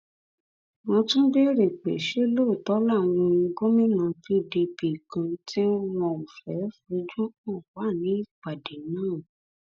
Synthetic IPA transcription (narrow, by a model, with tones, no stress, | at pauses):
wɔ̃˧tũ˦be˦ɾe˨k͡pḛ˨ʃe˦lo˦˨tɔ˨˦la˦˨ñũ˧ĩ˧ɡo˦mĩ˦nã˧˦fi˧bi˧bi˨kã˨˧tʰi˦wɔ̃˧u˨fɛ˨˦fo˧d͡ʒo˦o˦˨wa˨˦˨nĩ˨˦i˦˨k͡pa˨de˨nãː˦˨